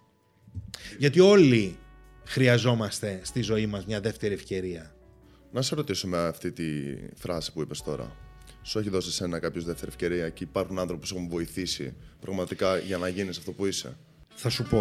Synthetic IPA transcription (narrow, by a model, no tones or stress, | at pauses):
ʝɐt̪io̞li | xɾiɐzo̞mɐst̪e̞st̪izo̞imɐzmɲɐðe̞ft̪e̞ɾiefce̞ɾiɐ | nɐsɐɾo̞t̪isumeft̪it̪iθɾɐsi̥puipe̞st̪o̞ɾɐ̰ | sue̞çiðo̞siese̞nɐkɐpçozðe̞ft̪e̞ɾiefce̞ɾiɐceipɐɾxunɐnθɾopuse̞xuɱvo̞iθisḭpɾɐɣmɐt̪ikɐʝɐnɐʝinisɐ̥ft̪o̞puise̞̰ | θɐsupo̞